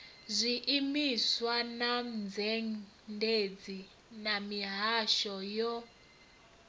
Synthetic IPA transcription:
zʷiʔimiswanand͡zʱɛŋ | ndʱed͡zi | namiɦaʃɔjɔ

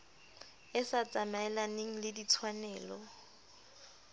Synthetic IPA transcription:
ɪsat͡sʼamaɛlaneŋ̩lɪdit͡sʰwanɛːlɔ

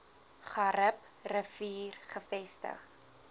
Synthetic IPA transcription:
χɐɾəp | rəfiːrχəfɛstə̰χ

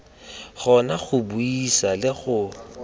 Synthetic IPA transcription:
ɣɔnaɣʊbuisalɪɣʊ

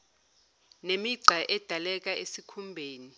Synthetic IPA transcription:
nemiǀʱaʔɛd̥ʱalɛk̬aesikʰumbʱeːni

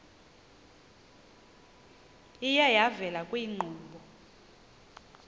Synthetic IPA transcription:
ijajavɛlakʼwiːŋ͡ǃʱuːɓɔ

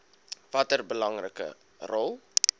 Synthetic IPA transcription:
vɐtərbəlɐŋrəkə̰ | rɔlˠ

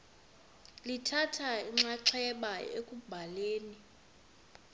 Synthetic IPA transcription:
litʰatʰaiŋ͡ǁaǁʰɛɛɓajɔ̰ekʼubʱaleːni

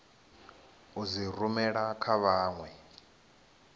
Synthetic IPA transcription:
uzirumɛɺakʰaβaːŋwɛ

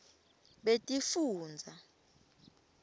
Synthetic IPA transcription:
ɓetʼifuːnd͡zʱa

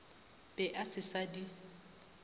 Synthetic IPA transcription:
b̥ɛʔasɪsadi

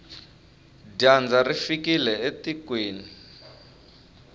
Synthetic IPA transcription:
dand͡zarifikilɛetikweːni

